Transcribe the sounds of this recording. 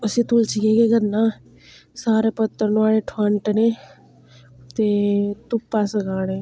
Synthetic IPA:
əsĩt̪ult͡ʃiɡeːɡeɡənːãː | saːɾeːpət̪ːəɾnaːɽeʈʰaɳʈne | t̪eːt̪ʊpːaːsəɡaːɽeː

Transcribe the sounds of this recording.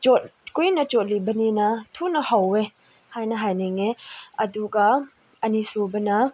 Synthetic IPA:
t͡ʃɔt̚kujnɐt͡ʃɔt̚libɐninɐtʰunɐhawe | hajnɐɦajniŋeɐduɡa | ɐnisubɐnɐ

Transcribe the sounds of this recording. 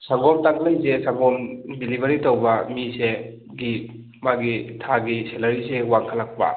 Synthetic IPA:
saŋɡɔmtaŋlajzesaŋɡɔmbilibɐɾitowbɐmise | ɡi | maɡitʰaɡiselɐɾisewaŋkʰalak̚pa̰

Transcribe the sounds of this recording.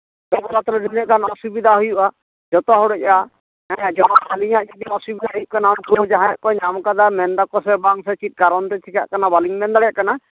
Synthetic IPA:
kɔbɔɾat̪ɾɔnilɛʔkanaɔsubid̪ʱaɦujuʔa | d͡ʒɔt̪ɔɦɔwɽɔca | ɛad͡ʒɔɽaaliɲaʔd͡ʒɔd̪iɔsubid̪ʱaɦujuʔkanamkuɔd͡ʒaɦãja̰ʔkɔɲamkad̪amɛnd̪akɔs̬ɛbaŋsɛt͡ʃit̪̚ˀkaɾɔnt̪ɛt͡ʃʰika̰ʔkanabaliŋmɛnd̪aɽaʔkana

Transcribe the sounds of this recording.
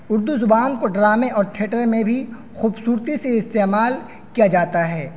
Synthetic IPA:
ʊɾd̪uzʊbaːnkoɖɾaːmẽʔɔːɾʈʰeːʈəɾmẽbʱi | xuːbsuːɾt̪iseɪst̪eːmaːl | kijad͡ʒaːt̪aɦɛː

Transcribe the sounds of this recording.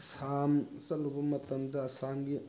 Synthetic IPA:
sam | sɐlubɐmɐt̪ɐmd̪ɐːsamɡi

